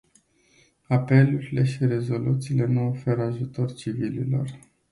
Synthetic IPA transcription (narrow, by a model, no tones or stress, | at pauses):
ape̞luɾile̞ʃiɾe̞zo̞lʔut̪siːle̞nuofe̞ɾəaʒut̪o̞rt͡ʃivilḭlo̞̰r